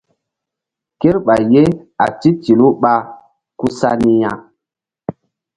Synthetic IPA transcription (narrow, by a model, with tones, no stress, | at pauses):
ke˦ɾɓa˨je˦a̰˨ti˦ti˨lu˦ɓa˦ | ku˦sa˦ni˦ja˨